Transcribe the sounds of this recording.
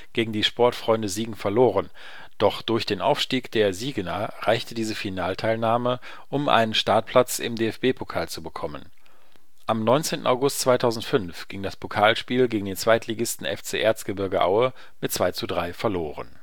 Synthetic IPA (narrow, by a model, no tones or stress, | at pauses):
ɡ̥eːɡŋ̩diːʃpɔɐtfʁ̥ɔʏndəziːɡŋ̩fɛɐloːʁən | d̥ɔχd̥ʊɐçd̥eːnʔa̰ʊfʃtiːkd̥eːɐziːɡənaʁaɪçtədiːzəfinaːltʰaɪlnaːmə | ʔʊmʔa̰ɪnənʃtaɐt̚pʰl̥at͡sɪ̰mdeːɛfb̥eːpʰokʰaːlt͡subəkʰɔmə̰n | ʔamnɔʏnt͡seːntn̩aʊɡʊstt͡sv̥aɪtʰaʊzn̩tfʏnfɡ̥ɪŋdaspʰokʰaːlʃpiːlɡeːɡŋ̩deːnt͡sv̥aɪtʰliɡɪstn̩ɛ̰ft͡seːʔeːɐstɡ̥əbɪɐɡəʔa̰ʊə | mɪt̚t͡sv̥aɪt͡sudʁaɪfɛɐloːʁə̰n